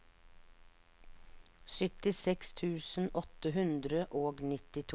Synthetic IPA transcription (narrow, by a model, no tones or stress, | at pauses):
sʏt̪ɪsɛkst̪ʰʉːsn̩ʔɔt̪əɦʉnd̪ɾəʔoːɡnɪt̪ɪt̪ʰ